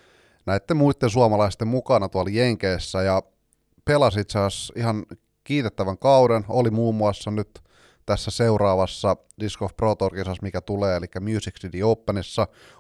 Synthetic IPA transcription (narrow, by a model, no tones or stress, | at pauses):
næit̪ːemuit̪ːens̬uɑmɑlɑist̪emmukɑnɑt̪uɑljeŋkeːsːæjɑ | pelɑsit̪sɑːsiɦɑn | kiːt̪et̪ːæʋæŋkɑwdenolimuːmːuɑsːɑnyt̪ | t̪æsːæseuɾɑːʋɑsːɑ | diskofproːt̪orkisɑsmikæt̪uleːelikːæmjyːsiksidioupːenisːɑ